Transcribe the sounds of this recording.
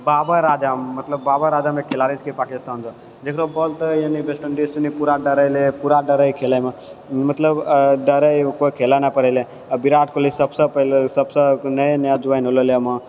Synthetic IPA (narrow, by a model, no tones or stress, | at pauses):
baːbaɾaːd͡ʒamːɐt̪ləbːaːbaɾaːd͡ʒaːmekʰːelaːɾit͡ʃkepaːkɪst̪aːnd͡ʒ̪o | d͡ʒ̪eːkʰɾobolt̪jənibesʈəɳɖisinipuɾaɖəɾəlepuɾaɖəɾəikʰeːlamãmɐt̪ləbɖəɾəikoikʰeːlanapəɾele | ɐbɪɾaːʈkolisɐbsəpəlsɐbsənɐenjad͡ʒuʋaːinɦololeəmã